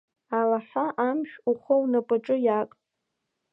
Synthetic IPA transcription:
alaħʷaʔamʃᶣuχʷownapʼaʈ͡ʂʼɨjakʼ

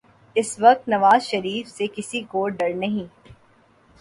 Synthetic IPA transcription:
ɪsʋɐk̚t̪nɐʋaːzʃɐɾiːfsekɪsikoːɖɐɾnɐɦĩː

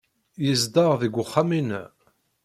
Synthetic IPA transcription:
jəzd̪ɑʁðiɡʷʊχːamin

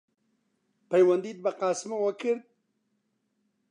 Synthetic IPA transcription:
pajwand̪id̪̚baqɑːsmawəkɨɾd̪̚

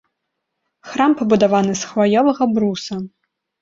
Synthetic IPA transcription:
xɾampɐbud̪avanɨsxvajʲɔvɐɣɐbɾusɐ

